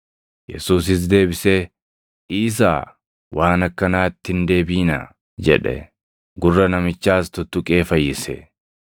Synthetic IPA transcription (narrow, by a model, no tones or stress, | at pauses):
jɛ̰suːs̬ɪs̬d̪e̞ːbɪse | ʔiːs̬a̰ː | wʔaːnɐkːɐnaːt̪ːɪnd̪e̞ːbiːnɐ̰ | d͡ʒɛ̰ᶑɛ̰ | ɡʊrːɐnɐmɪt͡ʃːaːst̪ʊt̪ːʊkʼe̞ːfɐjːɪsɛ̰